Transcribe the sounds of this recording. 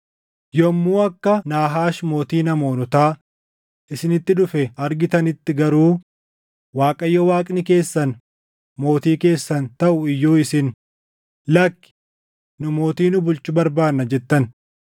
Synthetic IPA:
jɔmːuːɐkːɐnaːɦaːʃmo̞ːt̪iːnɐmoːnʊt̪aː | ʔɪsɪnɪt̪ːɪᶑʊfɛɐɾɡɪt̪ɐnɪt̪ːɪɡɐɾuː | waːkʼɐjːɔwaːkʼnɪke̞ːsːɐn | mo̞ːt̪iːke̞ːsːɐnt̪ɐʔʊɪjːoːɪsɪn | lɐkːɪ̥ | nʊmo̞ːt̪iːnʊbʊlt͡ʃʊbɐɾbaːnːɐd͡ʒɛt̪ːɐn

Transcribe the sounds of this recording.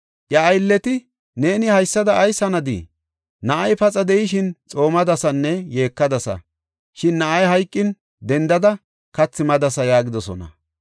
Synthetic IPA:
ʔjɐːjlːɛt̪ɪ | ne̞ːnɪhɐjsːɐd̪ɐʔːjsɐnɐd̪ḭ | nɐʔɐjpɐt͡sʼɐd̪ɛjɪʃɪnt͡sʼo̞ːmɐd̪ɐsɐnːɛje̞ːkːɐd̪ɐsɐ̰ | ʃɪnːɐʔɐjɦɐjkʼːɪn | d̪ɛnd̪ɐd̪ɐ | kɐt͡sːɪmɐd̪ɐsɐjaːɡɪd̪ɔsɔ̰nɐ̰

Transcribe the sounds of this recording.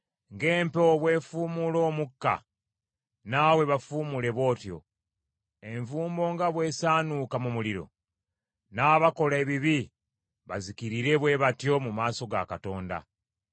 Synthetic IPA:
ŋɡe̞ːmpoβwe̞ːfuːmulo̞ːmukːa̰ | nawe̞βafuːmule̞βo̞ːtjo̞̰ | e̞ɱvuːmbo̞ːŋɡaβwe̞ːsaːnukamumuliɾo̞̰ | naːβako̞leβiβi | βazikiɾiɾe̞βwe̞βatjo̞mumaːso̞ɡa̰kato̞ːnda̰

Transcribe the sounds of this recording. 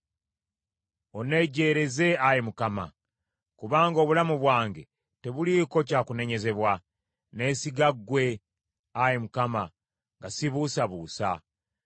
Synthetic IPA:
o̞ne̞ɟe̞ːɾe̞ze̞ajemukama̰ | kuβaːŋɡoβulamuβwaːŋɡe̞ | te̞βuliko̞caːkune̞ɲe̞ze̞βwa | ne̞siɡaɡwe̞ | ajemukama | ŋɡasiβusaβuːsa

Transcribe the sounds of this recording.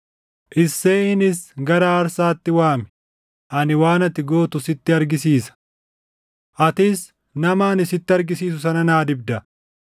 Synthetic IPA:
ʔɪsːe̞ːɪnɪsɡɐɾaːɾsaːt̪ːɪwaːmɛ̥ | ʔɐnɪwaːnɐt̪ɪɡoːt̪ʊsɪt̪ːɪɐɾɡɪsiːsɐ̥ | ʔɐt̪ɪs | nɐmaːnɪsɪt̪ːɪɐɾɡɪsiːs̬ʊsɐnɐnaːd̪ɪb̚d̪ɐ

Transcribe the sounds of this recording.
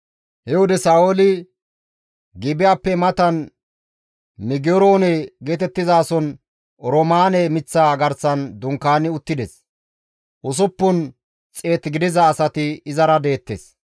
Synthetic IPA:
hɛwɔd̪ɛsaːolɪ | ɡɪbɪjaːpːɛmɐt̪ɐn | mɪɡɪɔɾo̞ːnɛɡe̞ːt̪ɛt̪ːɪzaːsɔn | ɾɔmaːnɛmɪt͡sːaːɡɐɾsɐnd̪ʊŋkːaːnɪʊt̪ːɪd̪ɛs | ʔʊs̬ʊpːʊn | t͡sʼe̞ːt̪ːɡɪd̪ɪzɐːsɐt̪ɪɪzɐɾɐd̪e̞ːt̪ːes

